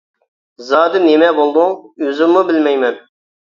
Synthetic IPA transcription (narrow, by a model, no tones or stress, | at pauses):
zɑːd̪ɨnemɛbolˠd̪ʊŋøzɪmːubɪlmɛjmɛn